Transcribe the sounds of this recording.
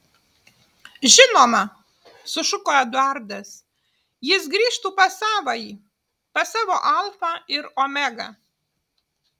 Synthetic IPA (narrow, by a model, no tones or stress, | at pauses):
ʒʲɪnoːmɐ | sʊʃʊkoːɛd̪ʊɑˑɾd̪ɐs | jɪs̬ɡɾʲiːʃt̪uːpɐsɑːʋɐiː | pɐsɑːʋoːʔɐlˠfɑɪɾoːmʲæɡɑ̰